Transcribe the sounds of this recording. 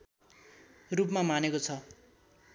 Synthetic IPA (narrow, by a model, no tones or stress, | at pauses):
rupmamanekot͡sʰʌ